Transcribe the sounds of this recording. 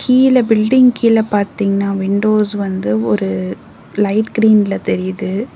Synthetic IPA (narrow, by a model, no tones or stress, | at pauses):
kʰiːlɐbɪlɖɪŋkiːlɐpaːɾt̪iːŋɡɐnaːʋɪɳɖoːsʋɐnd̪ɯɔɾɯ | lɐɪʈɡɪɾiːnlɐt̪ɛɾɪjðɯ